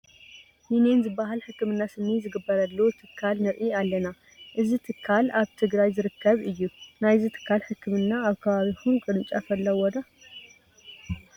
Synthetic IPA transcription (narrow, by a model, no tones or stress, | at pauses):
jinenzɨbːaɦalħɨkːɨmɨnːasɨmizɨɡɨbːɐɾɐlːot̪ʰɨkʰːalnɨɾʔialːɐna | ʔɨzit̪ʰɨkʰːalaβt̪ʰɨɡɾajzɨɾɨkʰːɐβɨjːunajzit̪ʰɨ̥kʰːalħɨkːɨmɨnːaaβkʰɐβaβixunkʼɨɾɨnt͡ʃʼafɐlːɐwɔd̪a